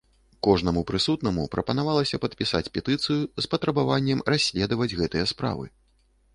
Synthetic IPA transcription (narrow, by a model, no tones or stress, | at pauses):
kɔʐnɐmupɾɨsut̪nɐmupɾʔɐpɐn̪avalˠɐsʲɐpɐt̪̚pʲisa̰t͡sʲpʲɛt̪ɨt̪sɨjuspɐt̪ɾɐbavanʲːɛmrasʲlʲɛd̪ɐvɐd͡zʲɣɛt̪ɨjɐspɾa̰vɨ̰